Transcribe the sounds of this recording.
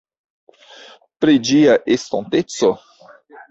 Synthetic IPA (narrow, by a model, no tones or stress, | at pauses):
pɾed͡ʒiɐʔest̪õnt̪et̪t͡so